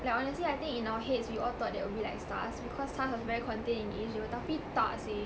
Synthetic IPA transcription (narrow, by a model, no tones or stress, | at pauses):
lakɔnəsliajt̪ĩŋkĩnawəɦetswiʔɔt̪ɔt̚dɛwibilaɪksta̰sbikʰɔstaswɔsvɛɹikʰɔ̃ntẽnĩnɡẽd͡ʒiwət̪afit̪a̰si